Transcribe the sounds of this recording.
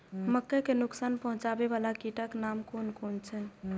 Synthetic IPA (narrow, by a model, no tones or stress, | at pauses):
məkːekenʊksanpəɦũt͡ʃabeβalakiʈəknamkonkont͡ʃʰɛ